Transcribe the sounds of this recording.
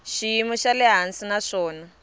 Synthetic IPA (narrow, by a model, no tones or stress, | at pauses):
ʃijimuʃalɛɦansinaʂɔːna